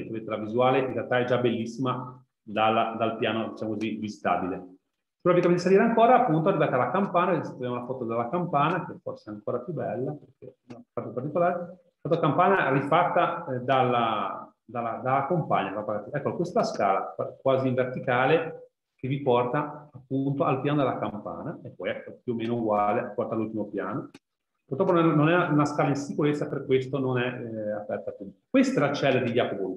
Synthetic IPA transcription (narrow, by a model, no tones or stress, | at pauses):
t̪avet̪ːelavizuaːleinrealt̪aɛd͡ʒabelːisːima | d̪alːad̪alpjaːnod̪it͡ʃamokozivizit̪a̰ːbile | si̥pɾɔbpikamenisaliːɾeaŋkoːɾaːpːunt̪oarːivat̪alakampaːnaksat̪ːavjamulafɔt̪od̪elːakampaːnakeɛforseaŋkoːɾapjubɛlːaperkʰeunafat̪apart̪ikolaːɾe | st̪at̪okampaːɲarifat̪ːad̪alːa | d̪alːad̪alːakompaɲːaapaɡaɛkːokwest̪askaːla̰akwaːziːɱvert̪ikaːle | kevipɔrt̪aːpːunt̪oalpjaːnod̪elakampa̰ːnaepːɔjɛkːopjuomːeːnouɡwaːleapːɔrt̪alːult̪imopja̰ːno | puɾrt̪ɾɔpːonnɛnonɛaunaskaːlainsikuɾet̪sːaperkːwest̪ononɛapɛrt̪apjukwest̪aɛlat͡ʃɛlːeɾd̪id̪japobolu